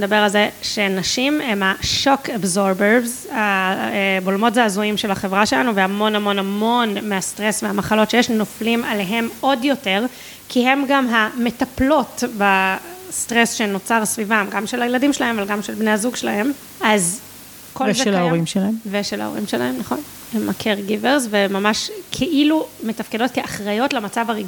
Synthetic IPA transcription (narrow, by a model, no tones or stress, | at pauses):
ed̪abeʁalzeʃe̞naʃimemhaʃo̞kabzoɾbeʁvz | a | bolmo̞tzeazuimʃe̞laχe̞vʁaʃelanuveamo̞namo̞namo̞nmeastʁesveamaχalo̞tʃejeʃno̞flimale̞ɦe̞mo̞djo̞te̞ʁ | kʰihe̞mɡamɦametaplo̞tbastʁesʃeno̞t͡saʁsvivamɡamʃelajeladimʃelahe̞mavalɡamʃelbneazuɡʃelahe̞m | az | kolzeeaoʁimʃelaemveʃela̰oʁḭmʃela̰emnaχo̞n | emːakʰeʁɡiveʁsvemamaʃkʰeʔilume̞tafkedo̞t̚keaχʁajo̞tlamat͡savaʁiɡ